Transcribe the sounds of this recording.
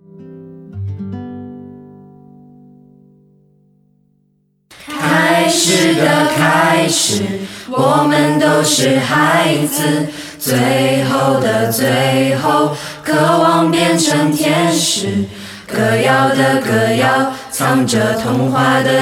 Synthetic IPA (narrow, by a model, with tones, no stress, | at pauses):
kʰa˥ɪʂɻ̩˨˩d̪ə˩kʰa˥ɪʂɻ̩˨˩wɔ˨˩mə˦nt̪o˥ʊʂɻ̩˥˧xa˧˥t͡s̩ʰ˥˧ | t͡swe˥˧ɪxo˥˧˩ʊd̪ə˩t͡swe˥ɪɪxo˥˧˩ʊ | kʰɤ˧˥˩wɑ˥˩ŋpjɛ˥˧nʈ͡ʂʰə˧˥ŋt̪ʰjɛ˥nʂɻ̩˨˩˦ | kʰɤ˨˩jɑ˥ʊd̪ə˨kɤ˨˩jɑ˥ʊ | t͡sʰɑ˥ŋʈ͡ʂə˨˩t̪ʰʊ˧˥ŋxwa˧˥d̪ə˨